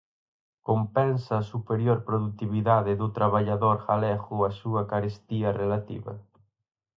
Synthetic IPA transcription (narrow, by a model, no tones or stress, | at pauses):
kompɛnsɐːsupeɾjoɾpɾoðut̪iβiðaðɪðʊt̪ɾaβaʎaðoɾxalɛɣʊɐsuɐkaɾest̪iɐrelat̪ḭβɐ̰